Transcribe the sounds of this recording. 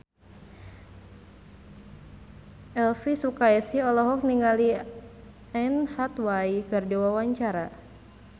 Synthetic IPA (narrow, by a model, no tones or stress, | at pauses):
ʔɛlfisukaɛsiɔlɔɦɔk̚niŋali | ɛnhat̪wajkərdiwawaɲt͡ʃaɾa